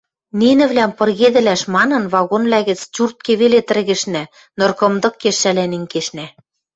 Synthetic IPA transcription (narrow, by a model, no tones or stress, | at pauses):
ninɘ̆βlæmpɤ̆rɣed̪ɘ̆læʃmɑnɤ̆nβɑɣonβlæɣɘ̆t͡st͡ɕurt̪̚keβelet̪ɘ̆rɣɘ̆ʃnæ | nɤ̆rkɤ̆md̪ɤ̆kːeʃːælænĕŋkeʃnæ